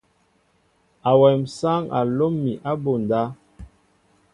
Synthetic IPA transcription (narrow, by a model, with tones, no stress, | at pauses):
a˨wɛ˨msa˦ŋa̰˨lo˦mːi˨ʔa˦bo˨n˨da˦